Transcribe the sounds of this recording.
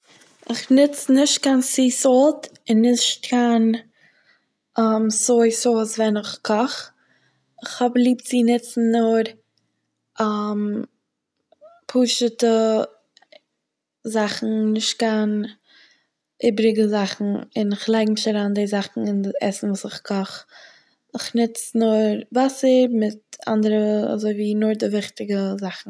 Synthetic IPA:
ɪχnɪt͡snɪʃt̚kansiːsɔlˠt | ɪnːɪʃt̚kan | amsoɪsosvɛnɪχkʰɔχ | ɪχhɔblˠiːpt͡sinɪt͡sn̩ːɔɾ | am | pʰuːʃətə | zaχn̩nɪʃtkan | ʔɪbɾɪɡəzaχn̩ɪ̰nɪχlˠaɪɡmɪʃaɾaːndezaχn̩ɪndɛ̰sn̩vuːsɪχkʰɔχ | ɪχnɪt͡snʊɾvasəɾmɪta̰ndəɾəa̰zoɪviːnʊɾdɪvɪχtɪɡəzaχn̩

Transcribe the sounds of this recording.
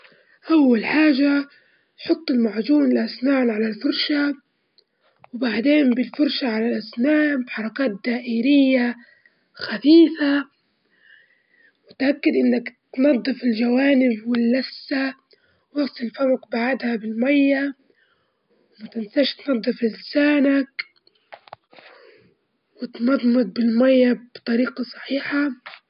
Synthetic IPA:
ʔawːalħaːʒa | tħʊt̪ˤːɪlmaʕd͡ʒuːnɪlʔasnaːnʕalalfʊɾʃa | wbaʕd̪eːnbɪlfʊɾˤʃaʕalalʔasnaːbħɑɾˤɑkaːt̪̚d̪aːʔɪːɾɪjːa | xaθiːfa | wɪt̪ʔakːad̪ʔɪnːakt̪nɑd̪ˤːɨfɪld͡ʒawaːnɪbwɪlːasːa | wɑftˤɪlfamaqbaʕad̪habɪlmajːa | wmʊt̪ansaʃt̪nɑd̪ˤːɨfɪlɪsaːnak | wɪt̪nɑðˤmɨd̪̚bɪlmajːabt̪ˤɑɾiːqɑsˤɑ̥ħiːħa

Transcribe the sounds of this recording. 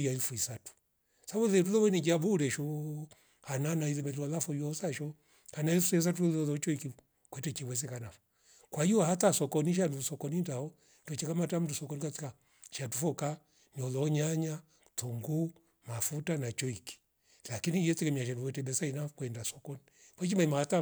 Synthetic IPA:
jaifuisatu̥ | saβulɛtulɔwɛnid͡ʒabuɾɛʃɔ | hananailɛmɛlualafɔjɔsaʃɔ | hanaifusɛs̬at̬ulɔlɔlɔt͡ʃɔiki | kwɛtɛt͡ʃiwɛs̬ɛkanafɔ̥ | kwaiɔhatasɔkɔniʃ̬anusɔkɔnindaɔ | tɔt͡ʃɛkamatam̩tusɔkɔnikat͡sika | ʃatufɔka | niɔlɔːɲaɲa | tuŋɡu | mafutanat͡ʃɔiki̥ | lakinijɛt͡sɛkɛmiaʃ̬aduɛtɛbɛsainakwɛndasɔkɔnikwat͡ʃimaimahata

